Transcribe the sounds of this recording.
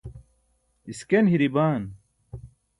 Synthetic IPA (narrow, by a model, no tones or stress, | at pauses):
iskenɦiɾibaːn